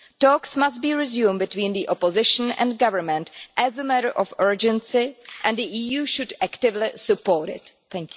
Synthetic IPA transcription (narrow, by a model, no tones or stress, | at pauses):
tɔːksmast̚biːɹɪzjũːmbɪtwĩːnd̪iʔopozɪʃn̩ɛ̰̃ndɡavəɹmɛ̃ntʔɛzəmɛɾəɹʔɔfɜ˞d͡ʒɛ̃nsɪʔɛ̃ndiʔiːjuːʃʊdæktɪvlɪsɨpoːɹɾɪ̰tθɛ̃ŋkj